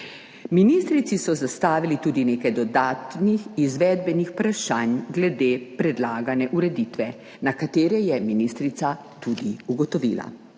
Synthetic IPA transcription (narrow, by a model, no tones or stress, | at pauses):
minist̪ɾit̪sisɔzast̪aːʋilit̪uːd̪ineːkajd̪ɔd̪aːt̪nixizʋɛːd̪̚bɛnixpɾaʃanɡlɛd̪eːpɾɛd̪laːɡanɛʔuɾɛd̪it̪ʋɛ | nakat̪eːɾɛjɛminist̪ɾit̪sa | t̪ud̪iuɡɔt̪ɔʋḭːla̰